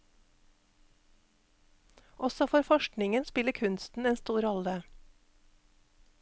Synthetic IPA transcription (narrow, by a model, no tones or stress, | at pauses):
ʔɔsɔfɔːɾfɔʃknɪŋənspɪləkʰʉnst̪n̩eːnst̪uːɾɔlə